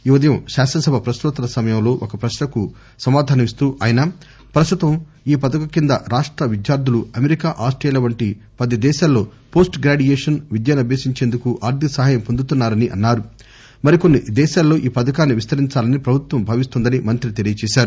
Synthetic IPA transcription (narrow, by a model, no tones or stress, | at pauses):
iʋɐd̪ɐjɐmʃaːsɐsɐbʱɐpɾɐst̪ut̪ːɐlɐsɐmɐjɐmlo̞ːʔokɐpɾɐʃnɐku | sɐmaːd̪ʱaːnɐmist̪uːʔaːjɐnɐ | pɾɐst̪ut̪ɐm | iːpɐd̪ɐkɐkind̪ɐɾaːʂʈɾɐʋid̪jaːɾd̪ʱuluɐmeɾikaːʔaːsʈɾɐjɐlɐʋɐɳʈi | pɐd̪id̪ɛːʃaːlːo̞ːpo̞ːsʈɡɾaːɖijeːʂɐnʋid̪janɐbʱeːsiɲt͡ʃe̞ːnd̪ukuʔaːɾd̪ʱisɐɦaːjɐmpond̪ut̪unːaːɾɐniʔɐnːaːɾu | mɐɾiko̞nːid̪ɛːʃaːlːo̞ːʔiːpɐd̪ɐkaːnːiʋist̪ʰɐɾiɲt͡ʃaːlɐnipɾɐbʱut̪ʋɐmbʱaːʋist̪und̪ɐnimɐnt̪ɾit̪elijɐt͡ʃɛːʃaːɾu